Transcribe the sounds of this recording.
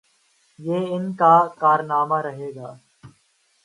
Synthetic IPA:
jeːɪnkaːkaːɾnaːmaːɾəɦeːɡaː

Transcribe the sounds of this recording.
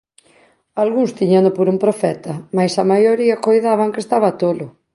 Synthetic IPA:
alɣuŋst̪iɲand̪opoɾumpɾofɛt̪ɐmajsɐmajoɾiɐkojðaβaŋkest̪aβɐt̪olʊ

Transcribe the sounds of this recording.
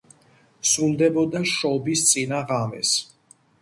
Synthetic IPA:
sulˠd̪ɛbɔd̪aʃɔbist̪sʼinaʁamɛ̰s

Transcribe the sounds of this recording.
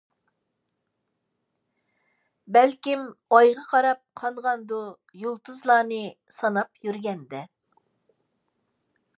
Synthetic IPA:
bɛlkʲimɑjʁɑqʰɑɾɑp̚qʰɑɴʁɑnd̪u | jolˠt̪ʰɨzlˠɑːnɨ | sɑnɑpjyɾɡʲɛnd̪ɛ

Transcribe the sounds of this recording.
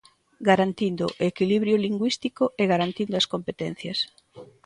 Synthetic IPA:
ɡaɾant̪ind̪ʊ̰ʔekiliβɾjoliŋɡwist̪ikoʔeɣaɾant̪ind̪oaskompet̪en̟θjɐs

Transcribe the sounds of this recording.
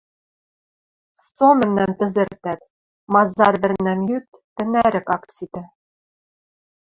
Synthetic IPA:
somɘ̆mnæmpɘ̆zɘ̆rt̪æt̪ | mɑzɑrβɘ̆rnæmjyk̚t̪t̪ɘ̆næɾɘ̆kɑkt͡sit̪ɘ̆

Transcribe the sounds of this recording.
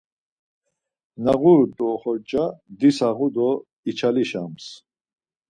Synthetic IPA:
naɣuɾt̪ʼɔχɔɾt͡ʃʼad̪isaʁud̪ɔ | it͡ʃʰaliʃams

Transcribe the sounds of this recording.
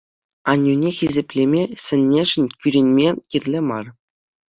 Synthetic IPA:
ɑnʲːunʲexʲizʲĕpʲlʲemʲesʲɘ̆nʲːeʐɘ̆nʲkʲyɾʲenʲmʲekʲirʲlʲemɑr

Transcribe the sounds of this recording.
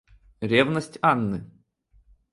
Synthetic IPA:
ɾʲevnəsʲtʲanːɨ

